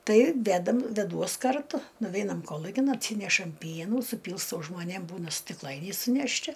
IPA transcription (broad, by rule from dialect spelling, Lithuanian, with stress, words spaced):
ˈtɐɪ ˈʋʲæːdɐm ʋʲɛˈduɔs kɐrˈtʊ nʊˈʋʲɛɪnɐm ˈkoːlˠʊkʲɪn ɐtʲˈsʲiːnʲɛʃɐm ˈpʲiɛnuː sʊˈpʲiːlˠstɐʊ ʒmoːˈnʲeːm ˈbuːnɐ sʲtʲɪkˈlˠɐɪnʲɛɪ sʊnʲɛʃʲˈtʲɪ